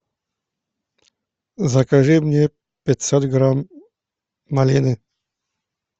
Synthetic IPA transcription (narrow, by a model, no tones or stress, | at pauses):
zɐkaʐɨmnʲe | pʲɪt̪ʲsɔt̪ɡɾamː | alʲinɨ